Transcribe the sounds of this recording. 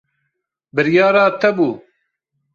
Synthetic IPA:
bɨɾjɑːɾaːt̪ʰɐbuː

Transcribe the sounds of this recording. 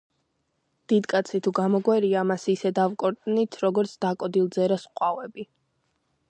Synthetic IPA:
d̪̥id̪kʼat̪sʰit̪ʰuɡamɔɡwɛɾiamasːsɛd̪avkʼɔɾt̪ʼnit̪ʰɾɔɡɔɾt̪sʰd̪̥akʼɔd̪ilˠd̪zɛɾasqʼwavɛbi

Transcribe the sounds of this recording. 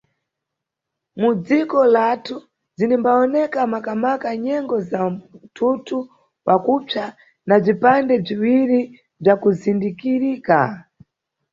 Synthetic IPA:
mud͡zikɔlatʰu | zinimbaɔnɛkamakamakaɲɛŋɡɔzatʰutʰu | pakupja | nab͡ʐipandɛb͡ʐiwiɾi | b͡ʐakuzindikiɾika

